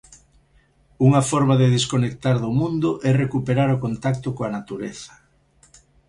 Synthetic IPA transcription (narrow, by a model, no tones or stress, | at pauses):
uŋɐfɔɾmaðɪðeskonek̚t̪aɾðʊmũnd̪ʊʔɛrekupeɾaɾʊkont̪ak̚t̪ʊkoɐnat̪uɾeθɐ̥